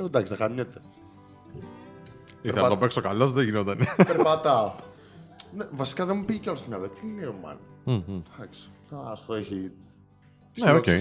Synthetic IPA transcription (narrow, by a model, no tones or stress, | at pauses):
od̪ɐksiðɐxaɲet̪e | ieɾθɐpɐt̪t̪opeksokalosðeʝinot̪ɐnepeɾpɐt̪ɐo | nevɐsi̥kɐðemupiʝeceolost̪omɲɐðkt̪ilineomɐ̰n̩ːd̪ɐksi̥ɐst̪oeçi | ineoke